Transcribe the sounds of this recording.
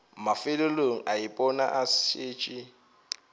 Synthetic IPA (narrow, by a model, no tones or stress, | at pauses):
mafɪloloŋ̩ʔaɪpʼɔna̰ʔaseːt͡ʃʼɪ